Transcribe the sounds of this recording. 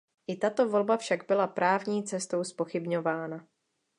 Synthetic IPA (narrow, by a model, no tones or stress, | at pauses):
ʔɪt̪at̪o̞vo̞lbafʃaɡbɪlapɾaːvɲiːt͡sɛst̪o̞wspo̞xɪbɲo̞vaːna